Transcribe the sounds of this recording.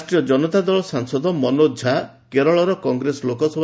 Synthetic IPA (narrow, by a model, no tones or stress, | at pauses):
sʈɾijɔd͡ʒɔnɔt̪ad̪ɔɭɔsaŋsɔd̪ʱɔmɔnod͡ʒʱa | keɾɔɭɔɾɔkɔŋɡɾesɔlokɔsɔb